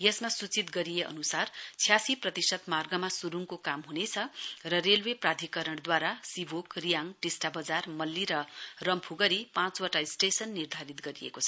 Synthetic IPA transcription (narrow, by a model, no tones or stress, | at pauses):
jʌsmasut͡sit̪ɡʌɾijeʔʌ̰nusart͡sʰjasiprʌt̪isʌt̪marɡʌmasuɾuŋkokamɦunet͡sʰʌrʌrelweprad̪ʱikʌɾʌɽ̃d̪waɾasibʱokrijaŋɖisʈabʌd͡zarmʌlːiɾʌrʌmpʰuɡʌɾipãt͡swaʈaisʈesʌnːird̪ʱaɾit̪ɡʌɾijḛkot͡sʰʌ̥